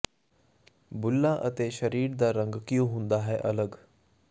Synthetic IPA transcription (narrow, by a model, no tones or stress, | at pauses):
bʊlːãːʔət̪eːʃəɾiːɾd̪aːɾə̃ŋɡkɪjõːɦʊ̃nd̪aːɦɛʔɐləɡ